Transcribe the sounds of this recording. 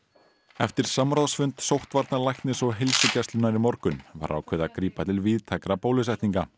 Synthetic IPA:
ɛft̪ɪɾ̥samɾaðsfʏnt̪sowht̪vaɾt̪nalajçt̪nɪsɔɣɦɪlsʏcɛst̪lʏnaɾimɔɾkʏnva̰ɾa̰wkʰvɛːðakɾiːpat̪ʰɪlviðt̪ʰɛkɾapoːwlɪsajht̪niŋka

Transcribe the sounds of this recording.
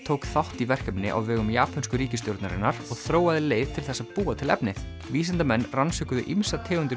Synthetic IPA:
t̪ʰoːwkθawht̪ivɛr̥kɛmnɪʔa̰wvɛːɣʏmjaːpʰanskʏɾiːcɪst̪jowɾt̪na̰ɾɪ̰nːaɾɔɣθɾoːwaðɪleːjv̥t̪ʰɪlθɛsːaðpuːat̪ʰɪlɛ̰pnɪ | viːsant̪amɛnːransʏkʏðʏ̰ʔimsat̪ʰɛːɣʏnt̪ʏ

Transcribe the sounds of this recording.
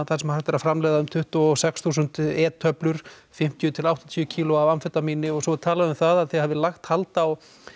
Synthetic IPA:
θaɾsɛmahaɾ̥t̪vɛɾafɾamlɛːðaʏmt̪ʰʏht̪ɔɔɔsɛksθuːsʏnt̪ɛːt̪ʰːœplʏɾ̥fɪm̥t̪jʏt̪ʰɪlawht̪ɔnt̪ʰjʏcʰiːlʊavanfɛt̪amiːnɪɔɣsɔt̪ʰaːlaðʏmθaðaðθɛhɛvðɪlaxt̪halt̪aw

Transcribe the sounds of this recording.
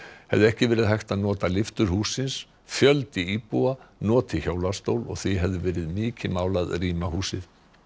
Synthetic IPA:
hɛ̰vðɪɛhcɪvɛːɾɪðɦajht̪aðnɔːt̪alɪft̪ʏɾ̥huːsːɪns | fjœlt̪ɪiːpuanɔːt̪ʰɪçoːwlast̪owlɔ̰ɣθiɦɛvðʏvɛːɾɪðmɪːcɪmaːwlaðriːmahuːsɪð

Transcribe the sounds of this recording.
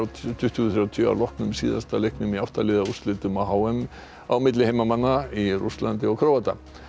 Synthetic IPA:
t̪ʰʏht̪ʏθɾjat̪ʰʏa̰wlɔhknʏmsḭːða̰st̪alejhknʏmiafht̪alɪːðaust̪lɪːt̪ʏmaɦaːwɛm | awmɪt̪̬lɪhejmamanːaiɾṵslant̪ɪɔkʰɾowat̪a̰

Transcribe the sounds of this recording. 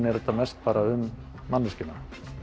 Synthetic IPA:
nɛɾɛt̪ːamɛst̪̚paːɾaʏmː | anːʏscɪna̰

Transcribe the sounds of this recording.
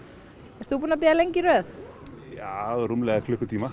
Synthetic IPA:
ɛɾ̥t̪θupuːnap̬ɛːɣalejɲciɾœːθ | jaːðɛɾumlɛːɣakʰlʏhkːʏt̪ʰiːma

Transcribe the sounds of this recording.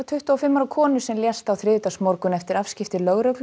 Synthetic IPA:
at̪ʰʏht̪ʏɔfɪmːaɾawkʰɔːnʏsɛmljɛst̪awθɾɪːʏt̪asmɔɾkʏnɛft̪ɪɾafscɪft̪ɪlœɣɾœkl

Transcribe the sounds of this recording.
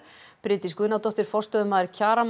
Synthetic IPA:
pɾɪːt̪iskʏnawt̪ɔht̪ɪɾ̥fɔrst̪œðʏmaðɪɾcʰaːɾam

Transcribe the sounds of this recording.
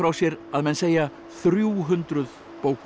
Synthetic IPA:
ɾawsjɛɾaðmɛnseːja | θɾjuːɦʏnt̪ɾʏð | poːwk

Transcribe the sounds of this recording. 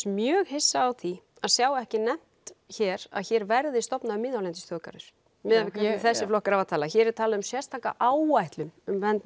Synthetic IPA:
mjœːɣhɪsːaːwθi | aðsjaːwɛhcɪnɛm̥t̪çɛːɾa̰ðçɛːɾvɛɾðɪst̪ɔpnaðʏmːɪːðawlɛnt̪ɪst̪ʰœːka̰ɾʏɾ̥ | mɪːðavkaθɛsːɪflɔhkaɾavat̪ʰaːlaçɛːɾɛɾ̥t̪ʰaːlaðʏmsjɛrst̪ʰaːhka̰ʔaːwajht̪lʏmʏmvɛnt̪

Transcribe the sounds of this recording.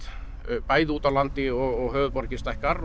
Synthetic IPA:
paːjðɪuːt̪avlant̪ɪɔɣɔɣɦœːɣðʏpɔɾcɪst̪ajhkaɾ

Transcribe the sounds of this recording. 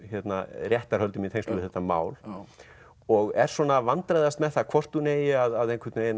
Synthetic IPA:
çɛt̪narjɛht̪aɾ̥hœlt̪ʏmiθejnsluvɪθɛht̪ːama̰ːwl | ɔɣɛɾ̥swɔnavant̪ɾajðast̪mɛθakʰvɔr̥t̪ːuneːjɪaðaðejŋkʰɪɾt̪neːjɪn

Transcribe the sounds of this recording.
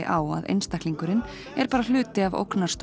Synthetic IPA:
ɪʔaːwa̰ðʔḛjnst̪aktliŋkʏɾɪn | ɛɾpaːɾal̥ʏːt̪ɪavo̰wknḁst̪

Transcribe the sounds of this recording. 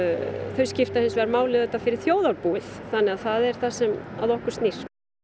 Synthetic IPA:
θœɥscɪft̪ahɪnsvɛɾmaːwlɪðɛt̪ːafɪɾɪɾ̥θjoːwðaɾpuːɪθθanːɛɣaðθaðɛɾ̥θasɛma̰ðɔhkʏ̥st̪niɾ̥

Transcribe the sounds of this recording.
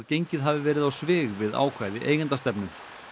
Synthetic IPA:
ðcejɲcɪðɦavɪvɛːɾɪðawsvɪːɣvɪða̰ːwkʰvaːjðɪʔḛjɣant̪ast̪ɛpnʏ̥

